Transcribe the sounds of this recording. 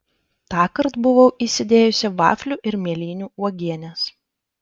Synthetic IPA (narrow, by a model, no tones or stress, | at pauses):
t̪ɑːkɐɾt̪bʊʋɐʊʔiːsʲɪd̪ʲeːjʊsʲɛʋɑ̰ːfʲlʲuʔɪɾmʲiɛlʲiːnʲuːuɔɡʲiɛnʲɛs